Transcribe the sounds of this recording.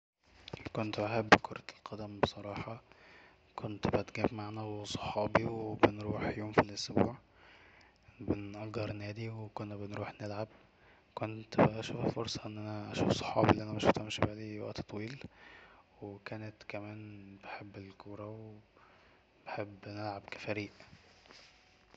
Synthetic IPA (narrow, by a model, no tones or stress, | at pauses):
kont̪beħebːkʰoɾˤɑlqɑd̪æmbesˤɑɾˤɑːħɑ | kont̪bæt̪ɡæbmaʕnæwesˤo̥ħɑːbiweebenɾuːħjoːmfilʔosbṵːʕ | benʔɑɡɑɾˤnæːd̪iwekonːæbenɾuːħnelʕab | kont̪bæʔæʃuːffoɾsˤɑʔenːʔænæʔæ̰ʃuːfsˤo̥ħɑːbilːiʔænæmeʃt̪æmʃbæːliːwæ̰ʔt̪t̪ˤːwiːl | wekæːnet̪kæmæːnb̥eħebːelkuːɾˤɑwee | b̥eħebːnelʕabkæ̥fæɾiːʔ